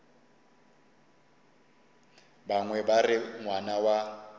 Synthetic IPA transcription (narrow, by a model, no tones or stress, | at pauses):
baŋwɛbarɪŋwanawa